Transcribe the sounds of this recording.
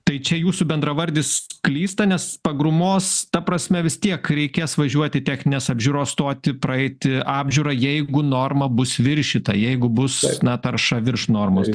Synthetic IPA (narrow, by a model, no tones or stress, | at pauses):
t̪ɐɪt͡ʃʲɛjuːsʊbʲɛnd̪ɾɐʋɐɾʲd̪ʲɪsklʲiːst̪ɐnʲɛspɐɡɾʊmoːst̪ɐpɾɐsʲmʲɛʋʲɪst̪ʲiɛkɾʲɛɪkʲeːsʋɐʒʲuɔt̪ʲɪt̪ʲɛxʲnʲɪnʲeːsɐbʲʒʲuɾoːsst̪oːt̪ʲɪpɾɐɛɪt̪ʲɪɑːbʲʒʲʊɾɐjɛɪɡʊnoːrmɐbʊsʋʲɪɾʲʃʲɪt̪ɐjɛɪɡʊbʊsnɐt̪ɐɾʃɐʋʲɪɾʃnoːrmos